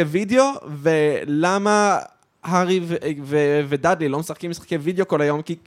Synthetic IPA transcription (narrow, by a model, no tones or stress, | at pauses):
evideo̞velama | haʁivvevedad̪lilo̞mesaχkimisχḁkejvideo̞ko̞lajo̞mki